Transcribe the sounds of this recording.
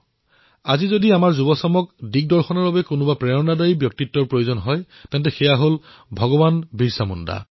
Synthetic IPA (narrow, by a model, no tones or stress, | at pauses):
azizodiamaɹzubɔsɔmɔkdik̚dɔɹxɔnɔɹbabɛkʊnʊbapɹɛɔnadajibjɔk̚titːɔɹpɹojozɔnɦɔj | tɛnt̬ɛxɛjaɦol | bʱɔɡɔbanbiɹsamunda̰